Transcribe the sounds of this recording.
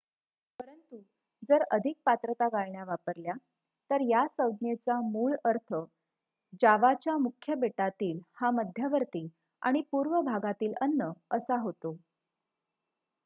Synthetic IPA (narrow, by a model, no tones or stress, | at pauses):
pəɾənt̪u | d͡zəɾəd̪ʱik̚pat̪ɾət̪aɡaɭɳjaʋapəɾlja | t̪əɾjasəwd̪net͡samuːɭəɾt̪ʰə | d͡ʑaʋat͡ɕjamukʰjəbeʈat̪iːlhaməd̪ʱjəʋəɾt̪iː | a̰ɽ̃ipuɾʋəbʱaɡat̪iːlənːəəsaɦot̪o